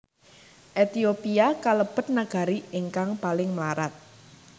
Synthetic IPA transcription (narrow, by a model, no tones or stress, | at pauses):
ʔet̪iopiakaləb̥ə̤t̪̚naɡ̥a̤ɾiɪŋkaŋpalɪŋmlaɾat̪̚